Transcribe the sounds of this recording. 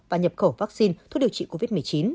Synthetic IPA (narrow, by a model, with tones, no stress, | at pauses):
vaː˨˩ɲə˨˩p̚xə˧˩vaː˦˥k̚si˧nt̪̚ʰɗi˨˩ət͡ɕḭ˧˨ko˧vi˦˥t̚mɨ˨˩ət͡ɕi˨˦n